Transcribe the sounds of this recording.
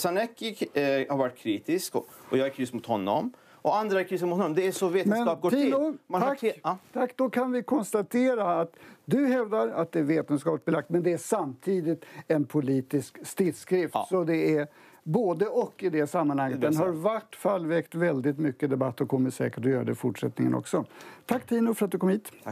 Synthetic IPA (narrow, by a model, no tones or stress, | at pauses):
sanɛkːɪɡhaɾvaʈ̚ːkʰɾiːt̪ɪskɔjɑːɡɛɾkʰɾʏst̪mʊt̪hɔnːɔ̰m | ɔand̪ɾakʰɾʏsmʊt̪ʰɔnɔmd̪ɛæsɔveːt̪əmnɛnɑːp̚ɡoːiːnumat̪ʰakːd̪ɔkʰanvɪkʰɔnst̪at̪ʰeːɾaːt̪d̪ɵɦɛvd̪aɾat̪̚d̪ɛæɾveːt̪ənskɑːp̪əsbɛlak̚t̪mɛnd̪ɛæʂamt̪ʰiːd̪ɪt̪ɛnpʰʊliːt̪ɪskst̪ɪd̪skɾɪftsɔd̪ɛæɾ | boːd̪əʔɔkːɪd̪ɛsamːanhaŋːət̪̚d̪ɛnɦaɾvaʈːfalvɛkt̪vɛld̪ɪt̪mʏkːəd̪ɛbat̪ːɔkʰɔmːɪt̪sɛ̰ːkəʈd̪ɵjœːɾad̪ɛfʊʈʂɛt̪nɪŋənʔɔ̰ksɔt̪ʰakːt̪ʰiːnʊfœɾat̪̚d̪ɵkʰɔmhiːt̪